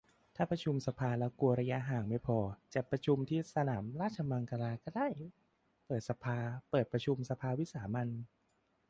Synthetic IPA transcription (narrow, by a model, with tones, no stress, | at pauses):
t̪ʰaː˥˩pɾa˧t͡ɕʰu˧msa˧pʰaː˧lɛ˦˥wku˧ɐɾa˧ja˦˥ʔɦaː˨˩ŋma˥˩jpʰɔː˧t͡ɕa˨˩pɾa˧t͡ɕʰu˧mt̪ʰiː˥˩sa˧naː˩˦mɾaː˥˩t̪̚t͡ɕʰa˧ma˧ŋka˧ɾaː˧kɔː˥˩daː˥˩j | pɤː˨˩t̪̚sa˧pʰaː˧pɤː˨˩t̪̚pɾa˧t͡ɕʰu˧msa˧pʰaː˧wi˦˥saː˩˦ma˧n